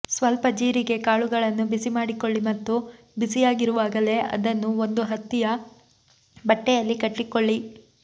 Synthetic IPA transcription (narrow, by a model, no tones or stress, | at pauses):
sʋɐlpɐd͡ʒiːɾiɡe̞kaːɭuɡɐɭɐnːubisimaːɽiko̞ɭːimɐt̪ːu | bisijaːɡiɾuʋaːɡɐle̞ʔɐ̰d̪ɐnːuond̪uɦɐt̪ːijɐ | bɐʈːɛjɐlːikɐʈːikoɭːi